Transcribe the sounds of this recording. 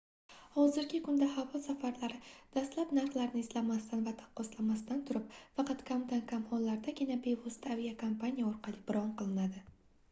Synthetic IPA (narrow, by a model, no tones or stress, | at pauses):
hɒzɪɾɡʲɪkʰʊnd̪ahavɒsafaɾlaɾɪd̪̥ast̪lapnaɾχlˠaɾnɪːslamast̪anvat̪ʰḁqːɒslamast̪ant̪ʰʊɾɪp̚fɑqʰɑt̪kʲʰamt̪ankʰamχɒnlaɾd̪aɡʲɪnabe̞vost̪ʰavijakʰompanijaɒɾqʰɑlˠɪbɪɾɒɴqɨlˠɪnad̪ɪ